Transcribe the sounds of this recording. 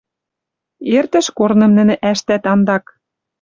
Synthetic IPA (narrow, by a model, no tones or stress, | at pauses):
ert̪ɘ̆ʃkornɤ̆mnɘ̆nɘ̆ʔæʃt̪æt̪ɑnd̪ɑk